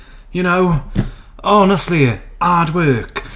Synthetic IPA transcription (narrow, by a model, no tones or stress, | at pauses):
jɨnoʊ | ɔnəstˡliɑːdwɜːˑk